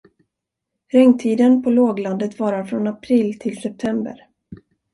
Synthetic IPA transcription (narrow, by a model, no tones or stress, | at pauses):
ɾɛŋt̪ʰiːd̪ənpʰɔloːɡland̪ət̪vɑːɾaɾfɾɔnapʰɾiːlːt̪ʰɪlsɛp̚t̪ʰɛmbə̰ɾ